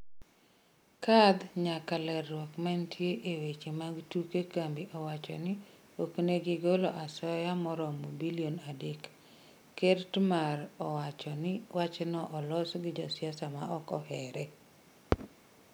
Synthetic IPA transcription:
kad̪ɲakalɛrːwɔkmantʰjeʔewet͡ʃemaɡtukekambiʔɔwat͡ʃɔ̰nɪ | okneɡɪɡoloʔasɔjamɔɾɔmobilionadekː | ertmaɾɔwat͡ʃɔnɪwat͡ʃnɔʔɔlɔsɡɪd͡ʒɔsjasama̰ʔɔkɔhɛɾɛ

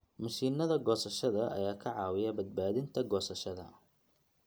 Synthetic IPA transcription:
mʊsiːnɐðɐɡɔːsɐʃɐðɐʔɐ̰jaːkʰɐʕɑːwɪjɐbɐd̪̚baːðɪnt̪ʰɐɡɔːsɐʃɐðɐ̰

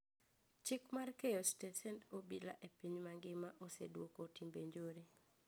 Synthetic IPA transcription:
t͡ʃɪkmarkejɔstesɛntobila̰ʔepiɲmaŋɡɪmaʔosḛdwokotimbeɲd͡ʒoɾi

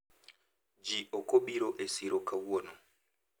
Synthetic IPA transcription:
d͡ʒiʔokoɓiɾoʔesiɾokawɔno

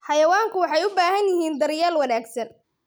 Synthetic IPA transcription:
ħɑjɐwaːŋkʰʊwɑħɑjʊbaːɦɐnjɪɦiːnd̪ɐrjaːlwɐnaːɡsɐn

